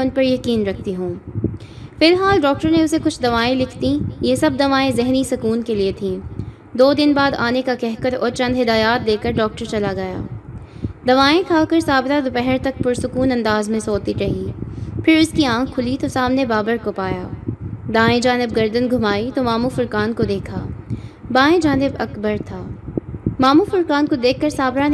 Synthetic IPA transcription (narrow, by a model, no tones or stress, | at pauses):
mɛ̃ʊnpɐɾjɐkiːnɾɐk̚ʰt̪iɦũː | fɪlɦaːlɖɔːk̚ʈəɾneʊsekʊt͡ʃʰd̪ɐʋaːẽlɪkʰt̪ĩjesɐb̚d̪ɐʋaːẽzɛɦnisʊkuːnkeliet̪ʰĩː | d̪oːd̪ɪnbaːd̪aːnekakɛɦkɐɾɔ̰ːɾt͡ʃɐ̃nd̪ɦɪd̪aːjaːt̪̚d̪eːkəɾɖɔːk̚ʈəɾt͡ʃɐlaɡɐja̰ː | d̪ɐʋaːẽkʰaːkɐɾsaːbt̪ad̪ʊpɛɦɛɾt̪ɐk̚pʊɾsʊkuːnɐ̃nd̪aːzmẽsoːt̪iɾɐɦiːpʰɪɾʊskiãːkʰːʊlit̪osaːmnebaːbəɾkopaːja̰ːd̪ãːẽd͡ʒaːnɪb̚ɡɐɾd̪ənɡʱʊmaːit̪omaːmufʊɾkaːnkod̪eːkʰa̰ːbaːẽd͡ʒaːnɪbɐkbəɾt̪ʰaː | maːmufʊɾkaːnkod̪eːkʰːɐɾsaːbɾan